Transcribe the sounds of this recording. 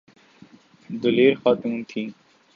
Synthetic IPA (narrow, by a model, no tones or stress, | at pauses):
d̪ʊleːɾxaːt̪ũːnt̪ʰiː